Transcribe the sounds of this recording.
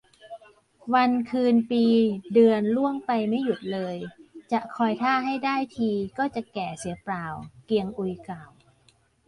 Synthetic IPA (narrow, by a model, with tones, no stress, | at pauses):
wa˧nkʰɯː˧npiː˧dɯ˧ənlu˥˩əŋpa˧jma˥˩jːu˨˩t̪̚lɤː˧jt͡ɕa˨˩ʔkʰɔː˧jt̪ʰaː˥˩ɦa˥˩jdaː˥˩jt̪ʰiː˧kɔː˥˩t͡ɕa˨˩kɛː˨˩si˨˦plaː˨˩wki˧əŋʔu˧jkaː˨˩w